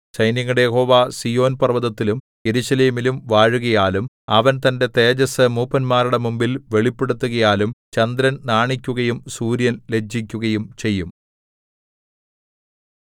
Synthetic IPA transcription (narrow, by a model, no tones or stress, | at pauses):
t͡ɕɐjnjɐŋːɐɽejeho̞ːʋaːsijo̞ːnpɐrʋɐðɐt̪ːilum | je̞ɾuɕɐleːmilumʋaːɻuɣɐjaːlum | ɐʋɐnt̪ɐnde̞t̪e̞ːd͡ʑɐsɨmuːpːɐnmaːɾuɽe̞mumbilʋe̞ɭipːe̞ɽut̪ːuɣɐjaːlumt͡ɕɐnd̪ɾɐnnaːɳikʲːuɣɐjumsuːɾjɐnle̞d͡ʑːikʲːuɣɐjumt͡ɕe̞jːum